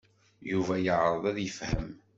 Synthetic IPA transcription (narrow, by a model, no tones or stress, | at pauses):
juvæjəʕɾˤəðˤæðjəfhə̰m